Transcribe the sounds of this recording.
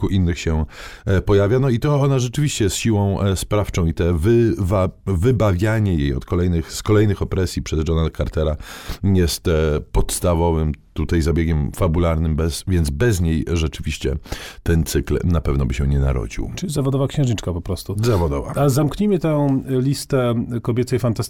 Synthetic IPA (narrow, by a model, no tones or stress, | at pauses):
kuʔinːɘxɕɛpɔjavʲjanɔit̪ɔɔnaʐɛt͡ʂɘvʲiɕt͡ɕɛsɕiwɔ̃w̃spɾaft͡ʂɔ̃w̃it̪ɛvɘvavɘbavʲjaɲɛjejɔ̰t̪kɔlɛjnɘxskɔlɛjnɘxɔpɾɛsʲjipʂɛzdɔnalkaɾt̪ɛɾajɛst̪pɔt̪st̪avɔvɘmt̪ut̪ajzabʲjeɡʲɛmfabulaɾnɘmbɛsvʲjɛnd̪zbɛzɲejʐɛt͡ʂɘvʲiɕt͡ɕɛ̰t̪ɛnt̪sɘklnapɛvnɔbɘɕɛɲɛna̰ɾɔ̰d͡ʑḭwt͡ʂɘlʲizavɔd̪ɔvakɕɛ̃wʐɲit͡ʂkapɔpɾɔst̪uzavɔd̪ɔva̰azamkɲimɘt̪ɛ̃lʲist̪ɛkɔbʲɛt̪sɛjfant̪ast̪